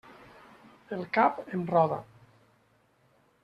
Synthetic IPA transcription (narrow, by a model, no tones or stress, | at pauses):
elˠkapenrɔða̰